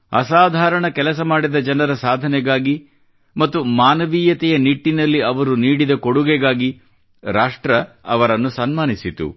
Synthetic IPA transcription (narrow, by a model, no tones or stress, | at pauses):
ɐ̰saːd̪ʱaːɾɐɳɐkɛlɐs̬ɐmaːɽid̪ɐd͡ʒɐnɐɾɐsaːd̪ʱɐnɛɡaːɡi | mɐt̪ːumaːnɐʋiːjɐt̪ɛjɐniʈːinɐlːiɐʋɐɾuniːɽid̪ɐkoɽuɡɛɡaːɡi | ɾaːʂʈɾɐɐ̰ʋɐɾɐnːusɐnmaːnisit̪ṵ